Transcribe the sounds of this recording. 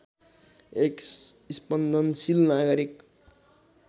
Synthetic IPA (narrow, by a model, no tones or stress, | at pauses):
ekispənd̪ʱənsilnaɡʌɾik